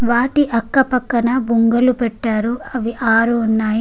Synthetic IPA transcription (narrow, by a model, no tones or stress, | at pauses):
ʋaːʈiʔɐkːɐpɐkːɐnɐbuŋɡɐlupɛʈːaːɾuɐʋiʔaːɾuːnːaːji